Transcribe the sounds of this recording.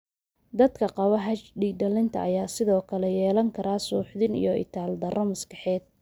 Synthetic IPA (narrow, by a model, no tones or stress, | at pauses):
d̪ɐd̪kʰɐqɑβɐɦɐt͡ʃɖiːɖɐlɪnt̪ʰɐ̰ɐjaːsɪðɔːkʰɐlɛjɛːlɐŋkʰɐɾaːsuːħðɪnḭjɔʔɪ̰t̪ʰaːld̪ɐrɐmɐskɐħɛːd̪̚